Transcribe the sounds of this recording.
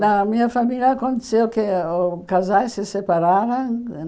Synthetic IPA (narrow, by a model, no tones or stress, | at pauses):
namiafamilʲaːkont̪sewkeokazajsesepaɾaɾaŋ